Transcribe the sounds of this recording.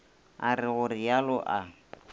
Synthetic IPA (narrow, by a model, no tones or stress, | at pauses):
arɪɣʊrialɔʔa